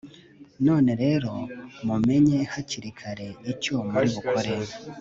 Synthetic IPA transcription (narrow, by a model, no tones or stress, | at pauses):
no̞ːne̞ɾe̞ɾo̞mume̞ɲe̞haciɾikʰaɾe̞icoːmaɾiβukʰo̞ɾeɾ